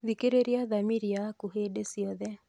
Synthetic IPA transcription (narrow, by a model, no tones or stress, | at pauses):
ðikeɾeɾjaðamiɾjakuɦedesiɔðɛ